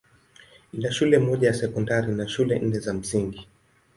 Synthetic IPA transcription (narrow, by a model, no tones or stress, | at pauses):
inaʃulɛmɔʄajasɛkɔndaɾinaʃulɛʔn̩nɛzam̩siŋɡi